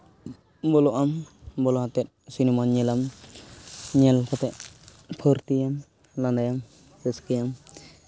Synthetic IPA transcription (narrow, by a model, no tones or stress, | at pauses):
bɔlɔʔambɔlɔat̪ɛt̪̚sinɛmaɲɛlam | ɲɛlkɔt̪ɛʔ | pʰɔɾt̪ijam | land̪ajam | sɛskɛjam